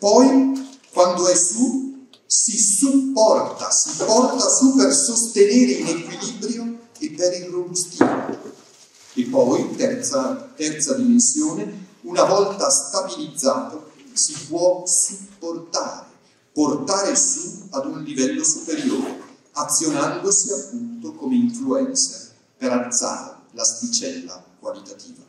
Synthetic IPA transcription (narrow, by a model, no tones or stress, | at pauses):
pɔjkwand̪oɛsu | sisupːɔrt̪a̰sipɔrt̪asupersost̪eneːɾeinekwiliːbɾjo | epːeɾilrːobust̪iːmo̰ | epːɔjt̪ɛt̪at̪ɛrt̪sad̪imensjoːneunavɔlt̪ast̪abilid̪zːaːt̪osipwɔsupːort̪aːɾe | port̪aːɾesuad̪unlivɛlːosupeɾjo̰ːɾḛ | at̪sːjonand̪osiapːunt̪okomeiɱfluɛnt̪sa | peɾalt̪sa̰ːɾelast̪it͡ʃɛlːa̰kwalit̪at̪iːva